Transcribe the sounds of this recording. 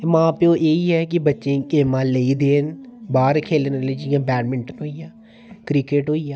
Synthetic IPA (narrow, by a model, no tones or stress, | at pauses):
mãːpeoːʔeːiːɦɛːk̬ɪbətːʃẽːkeːmãːləiːd̪eːnbaːɾkʰeːlnəleːd͡ʒɪjãːbɛːnmɪɳʈənɦoːijãː | kɾɪkeːʈɦoːiːjaː